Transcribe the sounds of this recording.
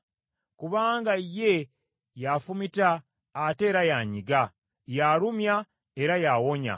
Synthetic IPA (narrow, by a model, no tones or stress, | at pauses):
kuβaːŋɡaje̞ | jafumitaː | te̞ːɾajaɲiɡa | jaɾumja | e̞ɾajawo̞ɲa̰